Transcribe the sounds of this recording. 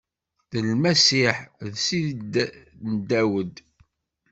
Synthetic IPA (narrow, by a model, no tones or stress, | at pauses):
ðəlmæsiħðsiðdnd̪ːæwəd̪